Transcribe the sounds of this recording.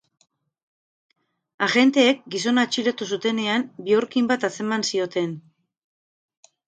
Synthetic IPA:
aɣe̞nt̪e̞ːk̚ɡis̬o̞nat͡ʃiɾot̪us̬ut̪e̞ne̞ambioɾkimbat̪asemansio̞t̪e̞n

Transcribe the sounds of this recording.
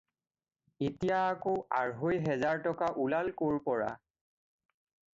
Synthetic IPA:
etijaːkoa̰ɹɦojɦɛzaɹtɔkaʔulalkoɹpɔɹa̰

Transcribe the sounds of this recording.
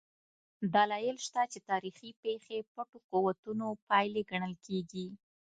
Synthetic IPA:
d̪alɑjɪlʃt̪at͡ʃet̪ɑɾixipexepaʈoquwat̪unopɑjleɡaɳəlkeɡi

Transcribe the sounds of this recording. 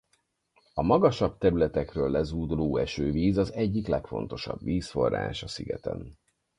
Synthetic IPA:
ɒmɒɡɒʃɒbt̪ɛɾylɛt̪ɛkrøːlːɛzuːd̪uloːɛʃøːviːzɒzɛɟːiklɛkfo̞̰nt̪o̞ʃɒ̰bviːsfo̞ra̰ːʃɒsiɡɛt̪ɛ̰n

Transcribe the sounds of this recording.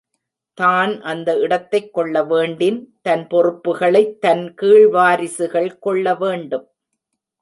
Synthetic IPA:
t̪aːnʔɐnd̪ɐɪɽɐt̪ːɐɪkːɔɭːɐʋeːɳɖɪnt̪ɐnpɔrɯpːɯɣɐɭɐɪt̪ːɐnkiːɭʋaːɾɪsɯɣɐɭkɔɭːɐʋeːɳɖɯm

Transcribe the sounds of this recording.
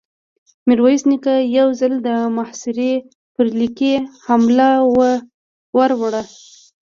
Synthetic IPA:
miɾwajisnikajawzald̪əmahsɪɾe | pəɾlikehamlawə | waɾwaɽa

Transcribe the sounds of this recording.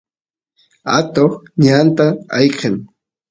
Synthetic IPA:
a̰t̪oχɲant̪aɑ̰jqeŋ

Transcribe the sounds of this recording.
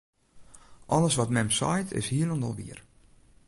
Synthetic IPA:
ʔɔləsʋɔtmɛmsɔ̰jtʰɪ̰shiələndɔ̰lˠʋḭər

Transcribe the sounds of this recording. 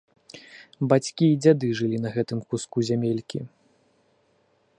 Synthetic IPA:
bat͡sʲkʲiːd͡zʲad̪ɨʐɨlʲin̪ɐɣɛt̪ɨmkuskuzʲamʲelʲkʲi

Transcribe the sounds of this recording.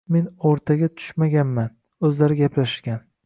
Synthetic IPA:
me̞noɾt̪ʰaɡʲat̪ʰʊ̥ʃmaɡʲanman | ɵzlaɾɪɡʲapʰlaʃɡʲan

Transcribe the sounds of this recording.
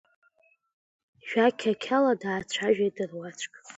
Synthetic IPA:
ʒᶣakʲʰakʲʰaladaːt͡ʃʷʰaʒᶣajdɨrwat͡ʃʷʰʼkʼ

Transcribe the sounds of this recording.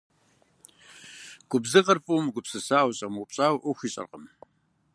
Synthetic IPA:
ɡ̥ʷʊbzɨqɐrpʼumɡʷʊpsɨsaːwɕʼɐmʊpʼɕʼaːwʔʊxʷiɕʼɐ̰rqəm

